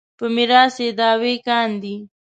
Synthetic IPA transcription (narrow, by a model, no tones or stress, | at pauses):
pəmɪɾɑsed̪ɑwekɑnd̪i